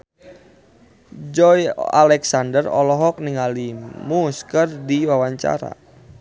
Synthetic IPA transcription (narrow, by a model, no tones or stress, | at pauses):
d͡ʒɔja̰lɛksandərɔ̰lɔɦɔk̚niŋalimuskərdiwawaɲt͡ʃa̰ɾa̰